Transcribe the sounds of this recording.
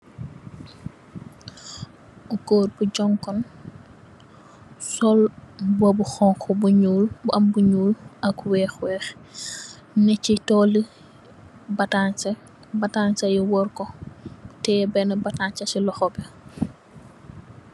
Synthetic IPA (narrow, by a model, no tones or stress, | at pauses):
uɡoːrbuɟɔŋkɔn | sɔlbɔbuxɔŋkʰɔbuɲuːlbɐmbuɲuːlɐkwɛːxwɛx | nɛcitɔːli | batansɐ | batansɐjiwɔɾkɔtɛbɛnɐbataɲt͡ʃɐsilɔxɔbɛ